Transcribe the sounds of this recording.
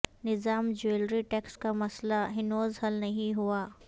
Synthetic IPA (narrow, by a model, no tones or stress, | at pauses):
nɪzaːmd͡ʒueːlɾiʈɛːkskamɐslaɦɪnoːzɦɐlnɐɦĩɦuaː